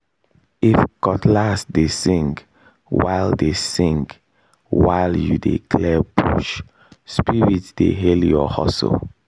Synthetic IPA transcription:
ifkɔtlasdesĩŋɡ | wa̰ɪldesĩŋɡ | waɪljṵdḛkʰlɛbṵʃ | spiɹitd̥ḛɦeljɔhɔ̰so̰l

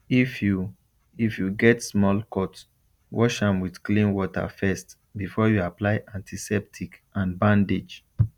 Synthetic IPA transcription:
ifju | ifjuɡɛtsmɔlkɔt | wɔ̰ʃãmwidklĩnwɔtʰa̰fɛst | bifɔjuaplaɪʔãntʰisɛp̚tʰikãnbãndid͡ʒ

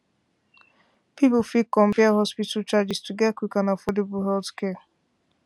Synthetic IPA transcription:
pipʊfikːɔm̩paɦɔspitat͡ʃad͡ʒɪstuɡɛkʷikanafodebʊɦɛltkɛa

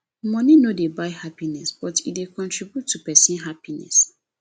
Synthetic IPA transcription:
mɔ̃ninodebaɪhapinɛsb̥ɔtidekʰɔ̃ntɹibjutʰːupɛsɔ̃nɦapinɛ̰s

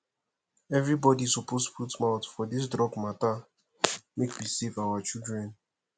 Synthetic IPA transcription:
ɛvɾibɔdisɔpostfutmaʊtfɔdis̬dɹɔɡmata | mekwisevawat͡ʃildɹɛ̃n

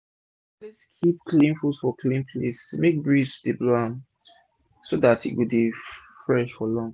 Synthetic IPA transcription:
ɛ | kʰip̚kʰlĩnfusfɔklĩnpʰlesmek̚bɹidibloãm | sodatḭʔwubi | fɹɛʃfɔlɔ̃ŋ

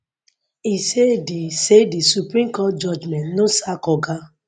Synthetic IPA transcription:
isedisedisupɾĩmkɔt̚d͡ʒɔd͡ʒmɛ̃ntnosakɔɡa

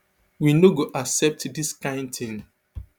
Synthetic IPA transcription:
winoɡoʔaksɛp̚tdiskãɪ̃ndt̪ĩn

